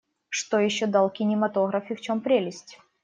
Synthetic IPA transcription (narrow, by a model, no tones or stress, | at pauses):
ʂt̪ojɪɕːod̪alˠkʲɪnʲɪmɐt̪o̞ɣɾɐfʲɪft͡ɕo̞mpɾʲelʲɪsʲtʲ